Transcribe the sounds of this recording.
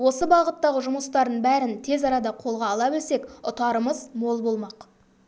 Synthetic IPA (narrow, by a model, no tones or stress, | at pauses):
wo̞səbɑʁət̪ːɑʁəʒʊməst̪ɑɾd̪əɴbæɾɪnt̪ʰe̞zɑɾɑd̪ɑqʰo̞lˠʁɑːlˠɑbɪlse̞kʊt̪ɑɾəməzmo̞lˠbo̞lˠmɑq